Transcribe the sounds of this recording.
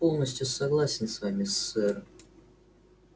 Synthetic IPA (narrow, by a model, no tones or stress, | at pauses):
po̞lˠnəsʲtʲjʊsɐɡlˠasʲɪnsvamʲɪsːɛɾɨ